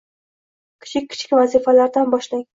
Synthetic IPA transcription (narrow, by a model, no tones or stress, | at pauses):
kʲʰɪ̥t͡ʃʰɪk̚ʲʰːɪ̥t͡ʃʰɪ̥kʲvazifalaɾd̪anbɒʃlaŋ